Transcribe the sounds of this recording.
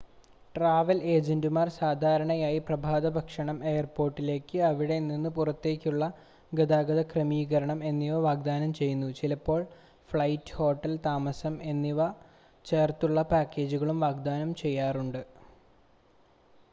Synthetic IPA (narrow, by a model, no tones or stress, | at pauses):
ʈraːʋɐle̞ːd͡ʑendumaːrsaːd̪ʱaːɾɐɳɐjaːjiprɐbʱaːd̪ɐbʱɐkʂɐɳɐme̞jɐrpo̞ːrʈːile̞ːkʲːɨɐʋiɽe̞ninːɨpurɐt̪ːe̞ːkʲːuɭːɐ | ɡɐd̪aːɡɐðɐkrɐmiːɣɐɾɐɳɐme̞nːiʋɐʋaːɡ̚d̪aːnɐmt͡ɕe̞jːunːut͡ɕilɐpːo̞ːɭ | fɭɐjtːɨ̥ho̞ːʈːɐlt̪aːmɐsɐme̞nːiʋɐ | t͡ɕe̞ːrt̪uɭːɐpaːkːe̞ːd͡ʑuɣɐɭumʋaːɡd̪aːnɐmt͡ɕe̞jːaːruɳɖɨ